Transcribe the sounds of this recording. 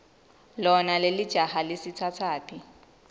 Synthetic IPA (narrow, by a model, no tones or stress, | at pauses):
lɔnalɪlɪd̥ʒ̥ʱahalɪsɪt͡sʰat͡sʰaːpʰi